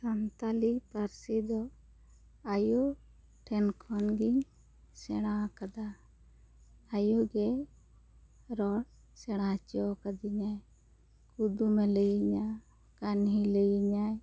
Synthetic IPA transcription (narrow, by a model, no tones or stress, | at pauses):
sant̪alipaɾsid̪ɔ | ajo | ʈʰɛnkʰɔnɡiɲ | sɛɽ̃akad̪a | joɡɛ | ɾɔɽ | sɛɽ̃at͡ʃɔkad̪iɲaj | kud̪umɛlɛjiɲa | kanɦilejiɲaj